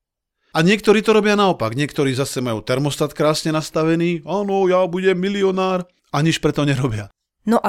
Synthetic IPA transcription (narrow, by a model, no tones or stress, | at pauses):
aɲɪɛk̚t̪ɔɾiːt̪ɔɾɔbɪanaɔpaɡɲɪɛkt̪ɔɾiːzasɛmajuːt̪ɛɾmɔst̪at̪kɾaːsɲɛnast̪aʋɛniːaːnɔjabuɟɛmːiliɔnaːɾ | aɲit͡ʃpɾɛt̪ɔɲɛɾɔbɪa | nɔʔ